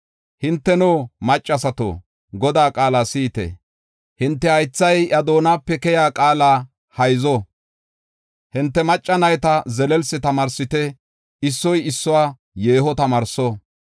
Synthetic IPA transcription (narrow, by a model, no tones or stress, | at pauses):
hɪnt̪ːɛnoːmɐt͡ʃʼːɐsɐt̪o̰ː | ɡɔd̪aːkʼaːlaːsiːt̪ɛ̰ | hɪnt̪ːɛhɐjt͡sːɐjʔɐd̪o̞ːnaːpːɛkɛjaːkʼaːlaː | hɐjzɔ | hɪnt̪ːɛmɐt͡ʃʼːɐnɐjt̪ɐzɛlɛlsɪt̪ɐmɐɾsɪt̪ɛ | ɪsːɔjɪsːɔwaː | jeːhɔt̪ɐmɐɾsɔ